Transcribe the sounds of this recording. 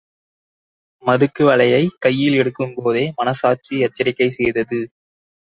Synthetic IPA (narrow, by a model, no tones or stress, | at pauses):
mɐðɯkːɯʋɐɭɐjɐɪkːɐjːɪlɛɽɯkːɯmpoːðeːmɐnɐsaːt͡ʃiɛt͡ʃːɐɾɪkːɐɪsɛjðɐðɯ